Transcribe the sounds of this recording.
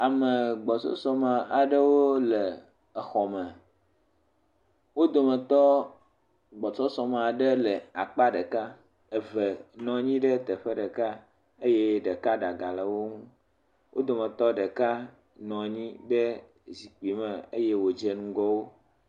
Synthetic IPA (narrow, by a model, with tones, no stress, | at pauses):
a˨mə˨ɡ͡bɔ˨t͡ʃɔ̰˦sɔ˦ma˨a˨ɖə˦wo˦le˨ | ə˨xɔ˨mə̃˨ | wo˦d̪o˨mə̃˨t̪ɔ˦ | ɡ͡bɔ˨t͡ʃɔ˦sɔ˨me˨a˨ɖə˦lə˨a˨k͡pa˦ɖə˨ka˦ | ɛ˨vɛ˨nɔ̃˨˦ɲĩ˦ɖə˦t̪ə˨ɸə˦ɖə˨ka˦ | e˦jɛ˦ɖə˨ka˦ɖa˨ɡa˨lə˨wo˦ŋũ˦ | wʔo̰˦d̪o˨mə̃˨t̪ɔ˦ɖə˨ka˦ | nɔ̃˨ɲĩ˦ɖɛ˦ | zi˨k͡pi˨mɛ̃˨e˦je˦wo˨d͡ʒɛ˨nũ˦ɡɔ˦wo˦